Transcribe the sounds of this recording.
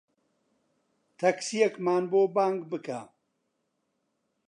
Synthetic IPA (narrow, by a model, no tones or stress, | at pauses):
t̪ʰɐksijɐkmaːnboːbaːŋɡbɨkʰa̰